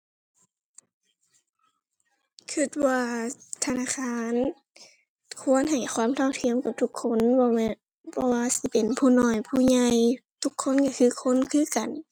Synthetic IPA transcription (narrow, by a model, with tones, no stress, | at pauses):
kʰɯ˧˨t̪̚waː˧t̪ʰa˧naː˧˥˨kʰaː˧˥˨n | kʰu˧˥ə˨nɦa˨˩jxʰwaː˧˥˨mt̪ʰa˧˨wt̪ʰi˧˥ə˨mka˨˩w̚t̪ʰu˧˦kʰːo˧˥˨nbɔː˧mɛ˧ | pʰɔː˧waː˧˨si˧˦pe˨npʰuː˧˨nɔː˧˩jpʰuː˧˩˨ɲa˧jt̪ʰu˧˦kʰːo˧˥˨nka˧˩kʰɯː˧˩˨kʰo˧˥˨nkʰɯː˧˨ka˨n